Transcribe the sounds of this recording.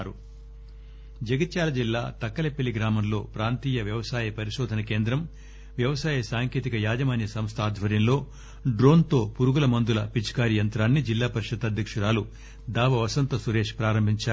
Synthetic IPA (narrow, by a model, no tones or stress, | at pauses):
ɾu | d͡ʒɐɡit̪t͡ʃaːlɐd͡ʒilːaːt̪ɐkːɐlepːiliɡɾaːmɐnlo̞ːpɾaːnt̪iːjɐʋjɐʋɐsaːjɐpɐɾiʃɔːd̪ʱɐnɐke̞ːnd̪ɾɐm | ʋjɐʋɐsaːjɐsaːŋke̞ːt̪ikɐjaːd͡ʒɐmaːnjɐsɐmst̪ʰaːd̪ʱʋɐɾjɐmlo̞ː | ɖɾo̞ːnt̪o̞ːpuɾuɡulɐmɐnd̪ulɐpit͡ʃkaːɾijɐnt̪ɾaːnːid͡ʒilːaːpɐɾiʂɐt̪ːɐd̪ʱjɐkʂɐɾaːlu | d̪aːʋɐʋɐsɐnt̪ɐsuɾe̞ːʂpɾaːɾɐmbʱiɲt͡ʃaː